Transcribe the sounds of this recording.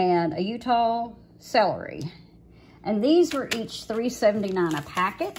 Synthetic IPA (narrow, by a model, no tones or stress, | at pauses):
ɨ̃nɨjʉtʰɔlˠ | sɛlˠə̰˞ḭ | ʔɨ̃nðizwə˞ʔit͡ʃθɹisɛvn̩tinãɪ̃nəpʰækɨt̚